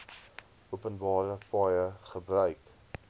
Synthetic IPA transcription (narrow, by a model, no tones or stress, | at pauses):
upənbɑːɾəfɑːjəχəbrœɥk